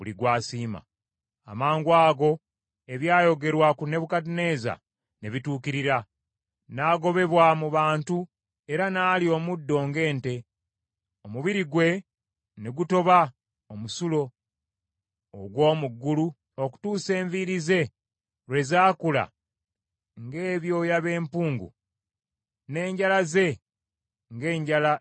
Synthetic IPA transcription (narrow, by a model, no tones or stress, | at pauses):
βuliɡwaːsiːma̰ː | maːŋɡwaːɡo̞ | e̞βjaːjo̞ɡe̞ɾwakune̞βukatine̞ːza̰ | neβituːkiɾiɾa | naːɡo̞βe̞βwamuβaːntu | e̞ɾanaːlio̞ːmudːo̞ːŋɡe̞ːnte̞ | o̞muβiɾiɡwe̞ | neɡuto̞βa | omusulo̞ | ɡwo̞ːmuɡːulu | oku̥tuːse̞ːɱviɾize̞ | ɾwe̞zaːkula̰ | ŋɡe̞ːβjo̞ːjaβe̞ːmpuːŋɡṵ | ne̞ːɲɟalaze̞ | ŋɡe̞ːɲɟala